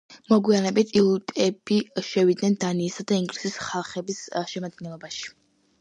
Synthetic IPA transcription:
mɔɡwianɛbit̪ʰilˠut̪ʼɛb̥iʃɛvid̪nɛnd̪aniːsad̪aiŋɡɾisisχalˠχɛbisʃɛmad̪̚ɡɛnlˠɔbaʃi̥

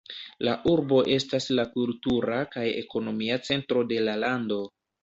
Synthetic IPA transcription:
laʔuɾbo̞ʔe̞staslakultuɾakaje̞̰ko̞no̞miat͡se̞ntɾo̞de̞lalando̞

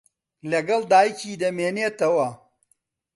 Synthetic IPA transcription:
lɐɡɐld̪aːjkid̪ɐmeːnet̪ɐwa

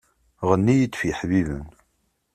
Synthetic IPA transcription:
ʁənːijət̪ːfjiħvivə̰n

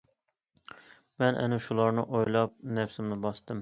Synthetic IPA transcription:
mɛnʔɛ̰nɪʃulˠɑɾnɨ̰ʔojlˠɑp̚nɛfsɪmnɪbɑst̪ɨm

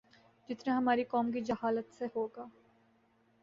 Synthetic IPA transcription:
d͡ʒɪt̪naɦɐmaːɾikɔːmkid͡ʒɐhaːlət̪sehoːɡaː

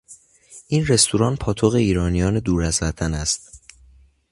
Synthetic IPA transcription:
ʔiːnre̞st̪ʰuɾɒːnpʰɒːt̪ʰoɣe̞iːɾɒːnijɒːne̞d̪uːɾæzvæt̪ʰænæst̪̚

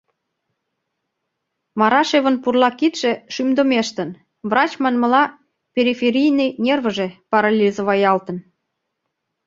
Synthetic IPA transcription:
mɑɾɑʃeβənpurlɑkit̪ʃĕʃymd̪omeʃt̪ə̆n | vrɑt͡ɕmɑnmə̆lɑ | pʲeɾifʲeɾʲijnəjnʲervə̆ʒepɑɾɑlʲizəβɑjɑlt̪ə̆n

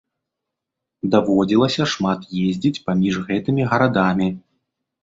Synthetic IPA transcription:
d̪avɔd͡zʲilˠɐsʲɐʂmat̪jezʲd͡zʲit͡sʲpamʲiʐɣɛt̪ɨmʲiɣɐɾad̪amʲi

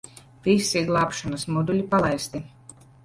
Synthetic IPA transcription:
visiɡlˠaːpʃɔnɐsmɔd̪ulʲipalˠajst̪i

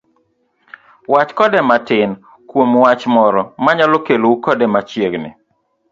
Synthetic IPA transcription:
wat͡ʃkɔdɛmatɪn | kwomwat͡ʃmɔɾɔmaɲalokeloukɔdɛmat͡ʃjeɡnɪ̰

